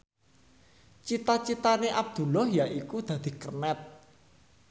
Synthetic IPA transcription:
t͡ʃit̪at͡ʃit̪aneʔab̚d̪̥ṳlɔhjaʔikud̪̥ä̤d̪̥i̤kərnɛt̪̚

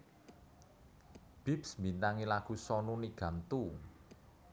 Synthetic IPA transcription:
b̥i̤psmbint̪aŋilaɡ̥ṳsɔnuniɡ̥a̤nt̪u

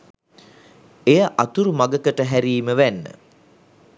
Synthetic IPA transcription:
ejəʔat̪uɾumaɡəkəʈəɦæɾiːməʋænːə̰

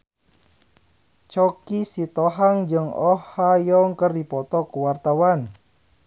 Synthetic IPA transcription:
t͡ʃɔkisit̪ɔɦaŋd͡ʒɨŋɔhajɔŋkərdipɔt̪ɔkuwart̪awan

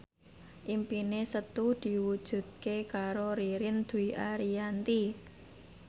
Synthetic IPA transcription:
ʔimpinesət̪ud̪̥i̤wud̥ʒ̥ṳd̪̚kekaɾoɾiɾɪnd̪̥uiʔaɾijant̪i

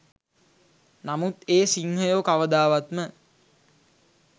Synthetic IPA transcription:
namut̪eːsiŋɦəjoːkaʋəd̪aːʋat̪mə

